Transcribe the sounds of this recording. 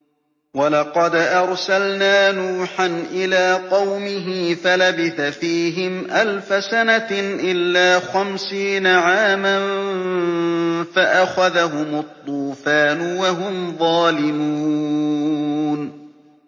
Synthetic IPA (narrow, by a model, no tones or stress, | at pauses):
walɑqɑd̪ʔɑɾˤsalnaːnuːħanʔɪlaːqɑwmɪɦɪfalabɪθafiːɦɪmʔalfasanaʔɪlːaːxamsiːnaʕaːman | faʔaxaðaɦʊmʊt̪ˤːuːfaːnʊwaɦʊmðˤɑːlɪmuː | n